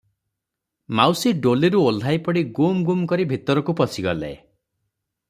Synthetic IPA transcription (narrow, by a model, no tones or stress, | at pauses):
mawsiɖoleɾuolajpɔɽiɡumɡumkɔɾibʱit̪ɔɾɔkupɔsiɡɔlḛ